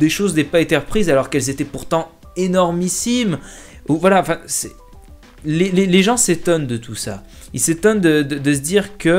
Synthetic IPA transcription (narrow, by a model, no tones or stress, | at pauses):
d̪eʃozd̪ɛpaet̪eʁəpχizalɔʁkɛlzet̪ɛpuʁt̪ɑ̃ | enɔʁmisim | uvwalaɑ̃fɛ̃sɛ | leleleʒɑ̃set̪ɔnd̪ət̪ʰusa̰ | ilset̪ɔnd̪əd̪əd̪əs̬əd̪iʁkə